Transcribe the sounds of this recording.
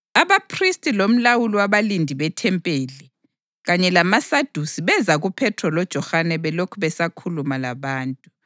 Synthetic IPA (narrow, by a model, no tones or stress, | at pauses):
aβapʰristʼilom̩lawuliwaβalindʱiβɛtʰɛmpʼeːli | ɣaɲɛlamasad̥ʱusiβɛzaɣupʰɛtʰrɔlɔd̥ʒ̥ʱɔxanɛβɛlokʰuβɛsakʰulumalaβaːntʼu